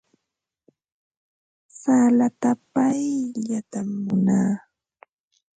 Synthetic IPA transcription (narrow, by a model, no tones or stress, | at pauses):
salat̪apajʎat̪amːʊnaː